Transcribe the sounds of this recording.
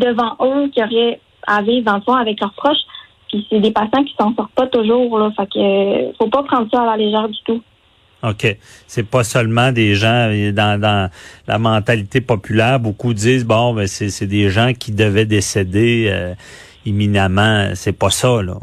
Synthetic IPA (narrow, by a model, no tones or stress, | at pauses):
d̪əvɑ̃ʔøkʲiɔʁjɛ | aviːvd̪ɑ̃ləfɔ̃avɛklœʁpχɔʃ | pised̪epasjɑ̃kʲi̥sɑ̃sɔʁt̪̚pɔt̪ʊʒuːʁlɔfakəḭfopɔpχɑ̃ːd̪ʁsɔalaleʒɛːʁd̪y̥t̪u | okʲesɛpʌsœlmɑ̃d̪eʒɑ̃d̪ɑ̃d̪ɑ̃la̰mɑ̃t̪alit̪epɔpylɛːʁbokud͡ziːzbɔ̃bɛ̃sɛsɛd̪eʒɑ̃kʲʰid̪əvɛd̪esed̪eø̰ | iminamɑ̰̃sɛpʌsɔlɔ̰